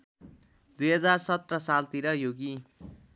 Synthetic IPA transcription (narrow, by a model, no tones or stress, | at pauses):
d̪ujɦʌd͡zarsʌt̪rʌsalt̪iɾʌjoɡi